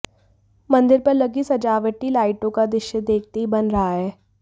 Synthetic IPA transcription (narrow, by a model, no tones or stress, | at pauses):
mɐ̃nd̪ɪɾpɐɾlɐɡisɐd͡ʒaːʋəʈilaːɪʈõkad̪ɪʃjəd̪eːk̚ʰt̪eɦibɐnɾɐɦaɦɛː